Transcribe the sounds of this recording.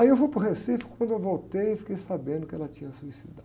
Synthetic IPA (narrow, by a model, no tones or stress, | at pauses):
aiewfujpɾʊɦesifi̥kʊ̥kwɐ̃nd̪ʊewvowt̪ejefi̥kejsabẽnd̪ʊkɪɛlɐt͡ʃĩɲɐsuisid̪a